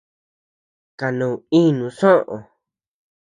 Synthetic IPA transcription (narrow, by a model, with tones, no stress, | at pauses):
ka˨nũ˨ĩ˦nũ˨sõ˦˧ʔo˨